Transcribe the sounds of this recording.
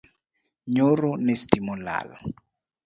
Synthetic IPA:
ɲoɾɔnestimula̰ːlɔ̰

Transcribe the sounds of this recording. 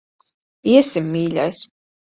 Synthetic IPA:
iɛsimːiːʎʲa̰js

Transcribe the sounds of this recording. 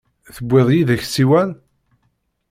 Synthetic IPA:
θəbːɪðˤjiðəçsiwæn

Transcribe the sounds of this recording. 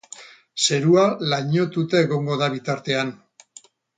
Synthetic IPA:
se̞ɾualaɲo̞t̪ut̪eeɣo̞ŋɡo̞ðaβit̪aɾt̪e̞an

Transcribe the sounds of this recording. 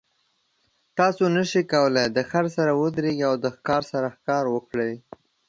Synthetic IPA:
t̪ɑsonəʃikawəlejd̪əxaɾsaɾawəd̪ɾeɡiawd̪əxkɑɾsaɾaxkɑɾwəkɽej

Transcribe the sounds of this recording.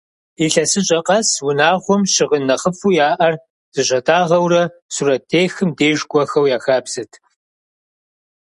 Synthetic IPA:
iɬɐsɨɕʼɐqʼɐswʊnaːʁʷʊmɕɪʁənɐχəfujaːʔɐr | z̥ɨɕʷʼɐtʰʼaːʁɐwrɐsuɾɐtʰeːxɨmdeːʒɡʷɔxɐwjaːxaːpsɨtʰ

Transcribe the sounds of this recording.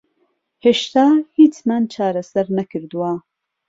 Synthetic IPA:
heʃt̪aːhiːt͡ʃmant͡ʃʰaːɾɐsɐɾnɐkʰɨɾd̪uwa

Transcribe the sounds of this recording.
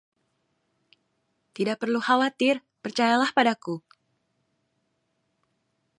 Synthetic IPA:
t̪idaʔ̚pərluhawat̪ɪr | pərt͡ʃajalahpadaku

